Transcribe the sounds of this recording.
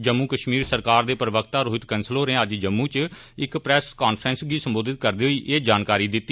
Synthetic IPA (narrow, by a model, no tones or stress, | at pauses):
d͡ʒəmːuːkəʃmiːɾsəɾkaːɾd̪eːpɾəʋəkt̪aːɾoːɪt̪kɛnsloːnẽːəd͡ʒd͡ʒəmːũːt͡ʃɪkpɾɛːskaːnpʰɾənsɡiːsəmboːd̪ɪt̪̚kəɾd̪iːɦoiːʔeːd͡ʒaːnkaːɾiːd̪ɪt̪ːiː